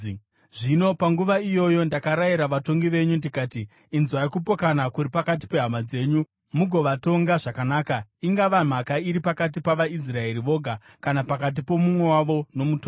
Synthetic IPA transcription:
ʐino̞paŋɡuʋaijo̞jo̞ndakaɾaiɾaʋato̞ŋɡiʋe̞ɲundikaːtiː | nzwaikupo̞kanakuɾipakat̬i̥pe̞ɦamad͡ze̞ːɲu | muɡʱo̞ʋato̞ŋɡaʐakanaːkaiŋɡaʋam̤akaiɾipakat̬ipaʋais̬rae̞ɾiʋo̞ɡʱa | kanapakat̬ipo̞mumwe̞waʋo̞no̞muto

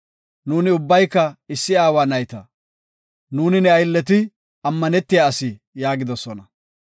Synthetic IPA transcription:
nuːnɪʊbːɐjkːɐɪsːɪaːwaːnɐjt̪ɐ | nuːnɪnɛɐjlːɛt̪̬ɪ | ɐmːɐnɛt̪ːɪjaːsɪ | jaːɡɪd̪ɔsɔnɐ

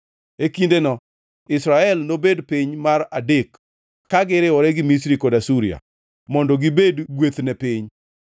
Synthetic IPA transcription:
ekindenɔ | ɪsɾaɛlnobedpɪɲmaradek | kaɡɪɾɪwɔɾɛɡɪmisɾikɔdasuɾia̰ | mɔndɔɡibedɡwet̪nɛpɪɲ

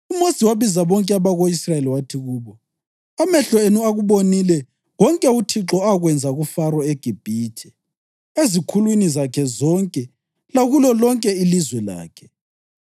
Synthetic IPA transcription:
umosiwaβizaβɔŋkʼɛaβaɣoisraeliwatʰiɣuːβɔ | amɛɬɔenuaɣuβonilɛ | ɣɔŋkʼɛutʰiǁɔaɣwɛnd͡zʱaɣufarwɔeɡ̥ʱib̥ʱiːtʰɛ̥ | ezikʰulwinizakʰɛzɔŋkʼɛ | laɣulɔlɔŋkʼɛilizwɛla̰ːkʰɛ̥

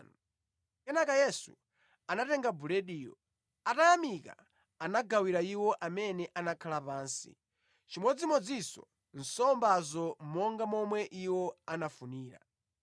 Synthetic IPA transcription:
n | kɛnakajɛsṵ | anatɛŋɡabuɾɛɗiːjɔ̰ | atajamika̰ | anaɡawiɾaiwɔʔamɛnɛʔanakʰalapaːnsḭ | t͡ʃimwɔd͡zimɔd͡zisɔ̰ | n̩sɔmbazɔmɔŋɡamɔmwɛʔiwɔanafuniːɾa̰

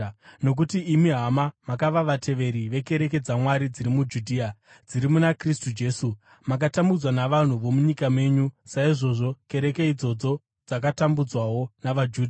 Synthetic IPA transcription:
no̞k̬utiːmiɦamamakaʋaʋatʰe̞ʋe̞ɾiʋe̞ke̞ɾe̞ke̞d͡zamwaɾid͡ziɾimud͡ʒudʱiːa | d͡ziɾimunakristud͡ʒe̞ːsu | mak̬atambud͡zwanaʋan̤uʋo̞muɲikame̞ɲusaiʐo̞ʐo̞ke̞ɾe̞ke̞id͡zo̞d͡zo̞ | d͡zak̬atambud͡zwawo̞naʋad͡ʒuːdʱa

